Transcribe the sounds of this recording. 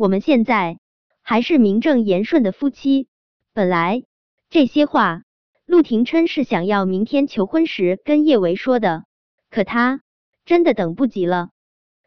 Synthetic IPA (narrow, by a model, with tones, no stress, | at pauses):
wɔ˨˩mə˦nɕjɛ˥˧nt͡sa˥˩ɪ | xa˧˥ɪʂɻ̩˥˩mi˧˥ŋʈ͡ʂɤ˥˩ŋjɛ˧˥nʂwə˥˩nd̪ə˩fu˥t͡ɕʰi˥ | pə˨˩nla˧˥ɪ | ʈ͡ʂɤ˥˩ɕjɛ˥xwa˥˩ | lu˥˩t̪ʰi˧˥ŋʈ͡ʂʰə˥nʂɻ̩˥˩ɕjɑ˨˩ŋjɑ˥˩ʊmi˧˥ŋt̪ʰjɛ˥nt͡ɕʰjo˧˥ʊxwə˥nʂɻ̩˧˥kə˥njɛ˥˩we˧˥ɪʂwɔ˥d̪ə˨ | kʰɤ˨˩t̪ʰa˥ | ʈ͡ʂə˥nd̪ə˨t̪ɤ˨˩ŋpu˥˩t͡ɕi˧˥lə˧